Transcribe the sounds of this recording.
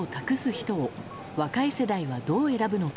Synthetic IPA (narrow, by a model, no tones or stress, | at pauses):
ot̪akɯ̟sɨçi̥t̪o̞ː | βakaise̞d̪aiβad̪o̞ːe̞ɾabɯ̟no̞k